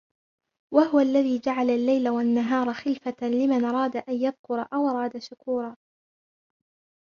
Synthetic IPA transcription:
waɦʊwaʔlːaðiːd͡ʒaʕalalːajlawanːaɦɑːɾˤɑxɪlfalɪmanʔɑɾˤɑːd̪aʔanjaðkʊɾˤɑ̰ʔawʔɑɾˤɑːd̪aʃʊkuːɾˤɑː

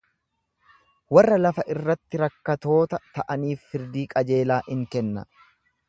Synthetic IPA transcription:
wɐrːɐlɐfɐʔɪrːɐt̪ːɪɾɐkːɐt̪o̞ːt̪ɐt̪ɐʔɐniːfːɪɾd̪iːkʼɐd͡ʒe̞ːlaːʔɪŋkɛnːɐ̰

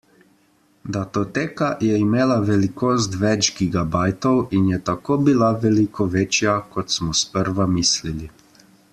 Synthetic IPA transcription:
d̪at̪ot̪eːkajɛimeːlaʋɛlikoːst̪ʋɛd͡ʒɡiɡabaːjt̪ɔwinjɛt̪akoːbilaʋɛlikɔʋeːt͡ʃjakɔt̪smɔspəɾʋamislili

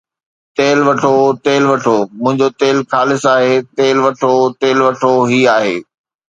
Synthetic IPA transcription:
t̪eːlʋɐʈʰot̪eːlʋɐʈʰoːmʊ̃ɦɪ̃ɲd͡ʑot̪eːlxaːlɪsaːɦeːt̪eːlʋɐʈʰot̪eːlʋɐʈʰoɦiaːɦḛː

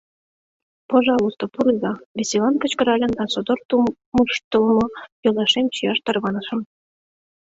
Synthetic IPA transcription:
pɑʒɑlˠust̪opuɾɯzɑβʲesʲilˠɑnkə̆t͡ɕkə̆ɾɑlʲɤ̆nd̪ɑsod̪ort̪u | muʃt̪ɤ̆lˠmɤ̆jolˠɑʃemt͡ɕijɑʃt̪ɑrβɑnɤ̆ʃɤ̆m

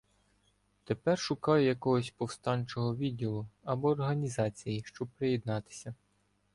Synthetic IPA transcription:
t̪e̞pɛrʃʊkɑjjɐkɔɦɔsʲpɔwst̪ɑnʲt͡ʃɔɦɔʋʲidʲilˠʊɐbɔːrɦɐnʲizɑt͡sʲijiʃt͡ʃɔb̚pɾejɛd̪nɑt̪ɪ̥sʲɐ

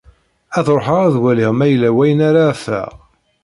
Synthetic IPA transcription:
æθɾˤħəʁæðwæliʁmæjlːæwæjənæɾafæ̰

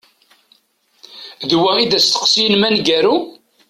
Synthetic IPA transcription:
ðwæid̪æst̪ə̥qsinmænɡæɾu

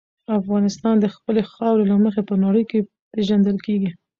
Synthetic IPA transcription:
afɣɑnɪst̪ɑnd̪əxpəlexɑwɾelaməxepənɑɽəjke | peʒand̪əlkeɡi

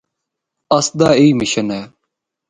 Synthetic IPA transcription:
ɐsd̪aːiːmɪɕənɛː

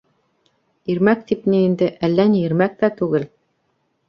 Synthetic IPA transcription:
iɾmæk̚t̪ipniind̪ɘʔælːænjɘ̆ɾmæk̚t̪æt̪ʉɡɘl

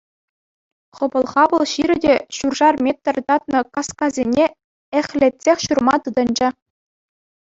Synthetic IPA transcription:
χɤ̆bɤ̆lˠχɑʋɤ̆lˠɕiɾʲɘ̆dʲeɕurʐɑrmʲet̪ʲːɤ̆rʲt̪ɑt̪̚nɤ̆kɑskɑzʲenʲe | ĕχʲlʲet̪ʲsʲexʲɕurmɑt̪ɯd̪ɤ̆nd͡ʑɘ̆

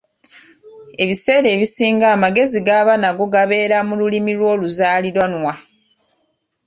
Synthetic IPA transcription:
e̞βise̞ːɾe̞ːβisiːŋɡaːmaɡe̞ziɡaːβanaɡo̞ɡaβe̞ːɾamululimilwo̞ːluzaːliɾwanwa

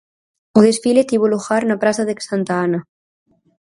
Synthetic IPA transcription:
oðesfilet̪iβoloxaɾnapɾasaðeksant̪aana

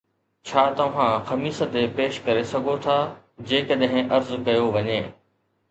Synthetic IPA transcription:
t͡ɕʰaːt̪ɐʋ̤ãxɐmiːsət̪epeːʃkɐɾesɐɡʱot̪ʰaː | d͡ʑeːkɐɗɦɪ̃ʔɐɾzkɐjoʋɐɲeː

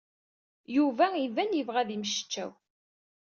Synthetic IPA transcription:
juvæivænjəvʁæðimʃə̥t͡ʃːæ̰w

